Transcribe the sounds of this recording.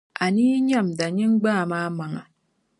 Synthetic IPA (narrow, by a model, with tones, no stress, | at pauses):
a˨niː˦ɲa˦˨mda˨ɲɪ˦ŋɡ͡baː˦˨maː˦ma˨ŋa˨